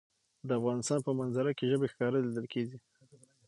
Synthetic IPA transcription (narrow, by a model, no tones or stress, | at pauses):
d̪əafɣɑnɪst̪ɑnpəmanzaɾakeʒəbexkɑɾəlid̪əlkʰeɡi